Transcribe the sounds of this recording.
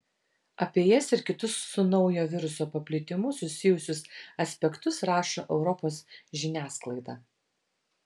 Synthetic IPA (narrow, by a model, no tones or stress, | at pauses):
ɐpʲeɛjɛsɪɾkʲɪt̪ʊsːʊnɒʊjoːʋʲɪɾʊsoːpɐpʲlʲɪt̪ʲɪmʊsʊsʲɪjʊsʲʊsɐsʲpʲɛkt̪ʊsɾɑːʃoːʔɛʊɾɔpoːsʒʲɪnʲæːsklˠɐɪd̪ɑː